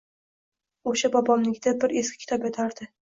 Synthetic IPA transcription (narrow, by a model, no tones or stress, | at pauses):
oʃabɒbɒmnɪɡʲɪd̪abɪɾe̞skʲɪkʲʰɪt̪ɒpjat̪ʰaɾd̪ɪ